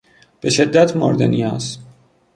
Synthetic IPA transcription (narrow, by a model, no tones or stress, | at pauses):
b̥e̞ʃe̞d̪ːæt̪ʰmoɾd̪enias